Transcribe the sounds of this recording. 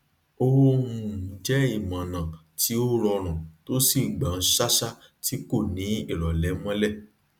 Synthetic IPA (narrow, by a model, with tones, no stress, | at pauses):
o˧wo˦ũ˦˨d͡ʒɛ˦i˦˨mã˨nã˨ | ti˨˦o˦ɾɔ˧ɾ̃ã˨to˦si˦˨ɡ͡ba˨n̩˦ʃa˦ʃa˦ti˨˦ko˦˨nĩ˨˦i˦˨ɾɔ˨lɛ˨˦mɔ̃˦lɛ˦˨